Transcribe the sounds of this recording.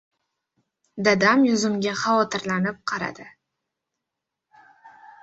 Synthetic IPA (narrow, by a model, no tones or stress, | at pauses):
d̪ad̪amjʊzʊmɡʲaχɑvɒt̪ʰɪɾlanɪp̚qʰɑɾa̰d̪ɪ